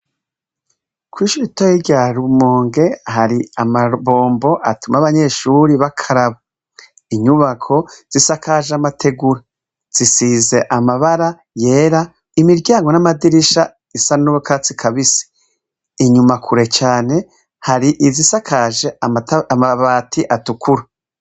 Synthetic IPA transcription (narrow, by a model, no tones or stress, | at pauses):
kwiʃuitojiɾɟaɾumoːŋɡe̞haɾiamaβo̞ːmbo̞ʔatumaβaɲe̞ːʃuɾiβakʰaɾaβa | iɲuβakʰo̞z̥isakʰaʒeamatʰe̞ɡuɾa | z̥isize̞ʔamaβaɾa | je̞ːɾa | imiɾɟaːŋɡo̞namadiɾiʃa | isannuwokʰaːt͡si̥kʰaβisi̥ː | ɲumakʰuɾe̞t͡ʃaːne̞ | haɾiʔizisakʰaːʒe̞amaβaːtʰiʔatukuɾa